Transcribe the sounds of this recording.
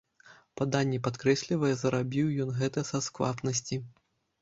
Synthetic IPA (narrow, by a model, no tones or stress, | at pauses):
pad̪anʲːɛpat̪kɾɛsʲlʲivɐjɛzɐɾabʲiwjɔnɣɛt̪ɐsɐskva̰pnɐsʲt͡sʲi